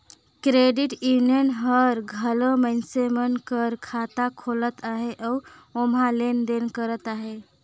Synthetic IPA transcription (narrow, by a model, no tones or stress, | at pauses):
kɾeɖiʈjunijənɦəɾɡʱəloməɪnsemənkəɾkʰat̪akʰolət̪aɦeʔəu | omɦalend̪enkəɾət̪aɦe